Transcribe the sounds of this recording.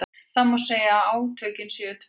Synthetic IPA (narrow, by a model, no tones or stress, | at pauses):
θaðmawseːjaːaːwt̪ʰœːcɪnsɛʏt̪ʰv